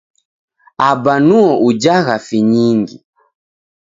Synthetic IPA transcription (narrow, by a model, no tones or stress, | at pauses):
abanuɔʔud͡ʒaɣafiɲiŋɡi